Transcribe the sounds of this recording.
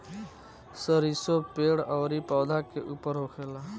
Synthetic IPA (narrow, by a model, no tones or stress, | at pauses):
səɾisopeɽəwɾipɔwd̪ʱakeʔupəɾɦokʰela